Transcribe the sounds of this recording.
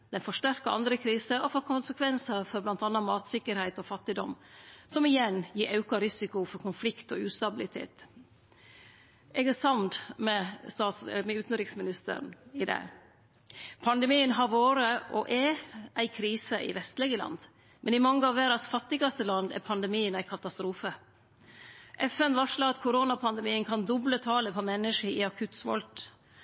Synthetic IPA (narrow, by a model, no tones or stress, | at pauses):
d̪̥ɛnfɔʂtæɾkəʔɑ̰nd̪ɾəkʰɾiːsəɔfɔːɾkʰʊnsəkʰʋɛnsɑɾfɔɾblɑnt̪ɑnːɑmɑːt̪sɪkːəɾhæɪt̪ɔfɑt̪ːɪd̪ɔ̰msɔmɪjɛnjiːɾʔɑʉkɑɾɪsɪkʊfɔɾkʰʊnflɪkt̪ɔʉːst̪ɑbɪlɪt̪ʰḛːt̪ | ɛɡɛsɑmd̪mɛst̪ɑːt̪smɛʉːt̪n̩ɾɪksmɪnɪst̪ə̰ɾn̩ɪd̪ɛ̰ | pʰɑnd̪ɛmiːənɦɑɾʋoːɾəʔɔʔɛʔæɪkʰɾiːsəʔɪ̰ʋɛst̪lɪɡəlɑ̰nd̪ | mʔɛnɪmɑŋːəɑʋʋeːɾɑsfɑt̪ːɪɡɑst̪əlɑnd̪æ̰ɾpʰɑnd̪ɛmiːənæɪkʰɑt̪ɑst̪ɾuːfə | ʔɛfɛnʋɑʂlɑɑt̪kʰʊɾoːnɑpʰɑnd̪ɛmiːənkʰɑnd̪ɔblət̪ʰɑːləpʰɔmɛnːəʂəɪɑkʰʉt̪sʋɔ̰lt̪